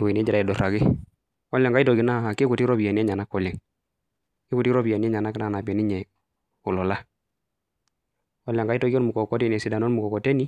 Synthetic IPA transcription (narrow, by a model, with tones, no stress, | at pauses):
wi˨n˦ɛ˦d͡ʒi˨ɾa˨i˨dɔ˨ɾa˨ɡɪ˦ | ɔ˦lja˨ŋɡa˦i˦to˨ɡi˨na˦˨a˨kɪ˦ku˨ti˦ɾɔ˦bi˨e˨ni˦ɛ˦ɲa˨na˦kːɔ˨lɛ˨ŋ | kɪ˦ku˨ti˦ɾɔ˦bi˨a˨ni˦ɛ˦ɲa˨na˦kɪ˦na˦˨na˨pɛ˨ni˦ɲɛ˨ | ʊ˨lɔ˨la˦ | ɔ˦la˨ŋɡa˦i˦tɔ˦ɡi˦ɔ˦mu˨kɔ˨kɔ˦te˦˨n˨ɛ˨si˨da˨no˦nmu˨kɔ˨kɔ˨te˦ni˦